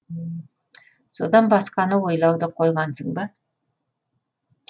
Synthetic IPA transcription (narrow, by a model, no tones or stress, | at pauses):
so̞̰d̪ɑnbɑsqɑnəwo̞jlˠɑwd̪əqʰo̞jʁɑnsəɴbɑ